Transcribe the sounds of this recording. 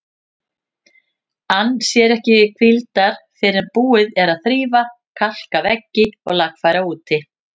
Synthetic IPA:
anːsjɛɾɛhcɪkʰvilt̪aɾ̥θɪɾɪɾpuːɪðɛɾaðθɾiːva | kʰal̥kavɛcːɪɔ̰ɣlakfajɾauːt̪ʰɪ

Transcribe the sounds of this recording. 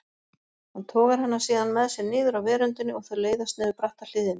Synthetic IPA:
hant̪ʰɔːɣaɾ̥hanːḁsiːðanmɛðsjɛɾnɪːðʏɾawvɛːɾʏnt̪ɪnːɪɔɣθœɾleːjðast̪nɪːðʏɾpɾaht̪al̥ɪːðɪn

